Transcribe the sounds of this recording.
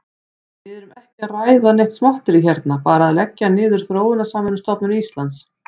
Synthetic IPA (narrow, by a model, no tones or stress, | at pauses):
vɪðɾʏmɛhcɪaraːjðaneht̪smaht̪ɪɾiçɛɾt̪napaːɾaðɪlɛcːɪanɪːðʏɾ̥θɾoːwɪnasaːmɛnʏst̪ɔpnʏnist̪lant̪s